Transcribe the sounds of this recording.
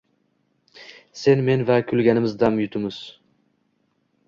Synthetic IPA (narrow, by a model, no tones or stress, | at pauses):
senmenvækʲʰylɡʲanɪmɪzd̪amjʊt̪ʰʊmɪz̥